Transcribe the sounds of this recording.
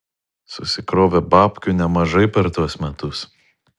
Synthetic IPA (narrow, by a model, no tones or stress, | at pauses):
sʊsʲɪkɾoːʋʲebɑːpʲkʲuːˑnʲɛmɐʒɐɪpʲɛɾt̪uɔsmʲɛt̪ʊs